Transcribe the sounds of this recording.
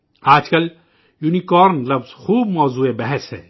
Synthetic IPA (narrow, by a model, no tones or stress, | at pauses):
aːd͡ʒkɐl | junikɔːɾnlɐbz̥xuːb̚mɔːzuːebɛɦɛsɦɛ̰ː